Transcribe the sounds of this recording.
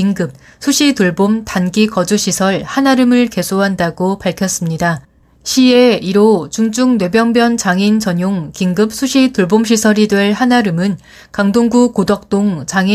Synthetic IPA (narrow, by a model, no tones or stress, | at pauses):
iŋɡɯp̚ | sʰuɕʰituɭbomtanɡikʌd͡ʑuɕʰisʰʌɭhanaɾɯmɯɭke̞sʰoɦandaɡopaɭkʰjʌs͈ɯmɲida | ɕʰie̞iɾot͡ɕuŋd͡ʑuŋnwe̞bjʌŋbjʌnt͡ɕaŋint͡ɕʌɲoŋkiŋɡɯp̚sʰuɕʰituɭbomɕʰisʰʌɾidwe̞ɭhanaɾɯmɯn | kaŋdoŋɡukodʌk̚t͈oŋt͡ɕaŋi